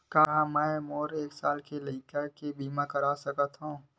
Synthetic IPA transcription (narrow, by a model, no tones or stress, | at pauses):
kaɦãmɛ̃ːmoːɾeːksaːlkelikəkebiːmãkɐɾaːsɐkət̪ɦõː